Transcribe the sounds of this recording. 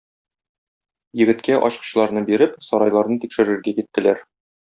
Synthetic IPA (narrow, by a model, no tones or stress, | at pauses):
jɘ̆ɡɘ̆t̪kæʔɒ̰ɕqɤ̥̆ɕlˠɑɾnɤbiɾɘpsɒɾɑjlˠɑɾnɤt̪ikʃɘ̆ɾɘ̆ɾɡækit̪ːɘ̆læɾ